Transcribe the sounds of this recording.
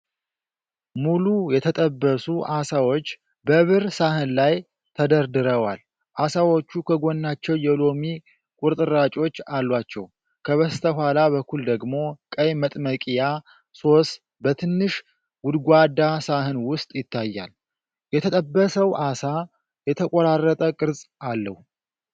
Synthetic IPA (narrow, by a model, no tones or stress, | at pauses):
mulujɛt̪ʰət̪ʼəbːəsuʔasawo̞t͡ʃː | bəβɨɾsaɦɨnlaj | t̪ʰəd̪əɾd̪ɨɾəwal | ʔasawo̞t͡ʃːukʰəɡo̞nːat͡ʃːɛwjɛlomi | kʼuɾt̪ʼɨɾat͡ʃʼo̞t͡ʃːalːwat͡ʃːɛw | kʰəβəst̪ʰəhʷalaβəkʰːuld̪əɡmo̞kʼəjmət̪ʼməkʼija | so̞s | bət̪ʰɨnːɨʃ | wʊd̪ɡʷad̪ːasaɦɨnwʊst̪ʼjɪt̪ʰːajːa̰l | jɛt̪ʰət̪ʼəbːəsəwʔasa | jɛt̪ʰəkʼoɾarːət̪ʼəkʼɨɾzʼʔalːə̰h